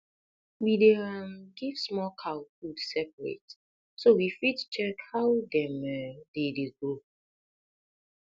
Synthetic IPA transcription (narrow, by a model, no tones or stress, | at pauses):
wideɛmɡiv̥smɔkʰaʊfudsɛpəɹḛt | sowifitt͡ʃɛkhaʊdɛ̃mɛdedeɡo